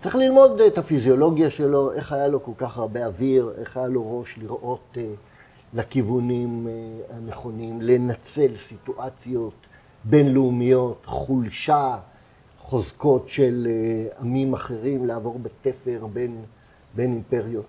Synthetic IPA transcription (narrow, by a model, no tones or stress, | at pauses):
t͡sʁiχlilmo̞detafizjo̞lo̞ɡjaʃe̞lo̞ʔe̞χajalo̞ko̞lkaχaʁbe̞aviʁe̞̰χajalo̞ʁo̞ʃliʁʔo̞t | lekivunimhaneχo̞nimle̞nat͡se̞lsituʔat͡sjo̞t | be̞nleumijo̞tχulʃa | χo̞zko̞tʃe̞lamimaχe̞ʁimleavo̞ʁbetefe̞ʁbe̞n | be̞nimpe̞ʁjot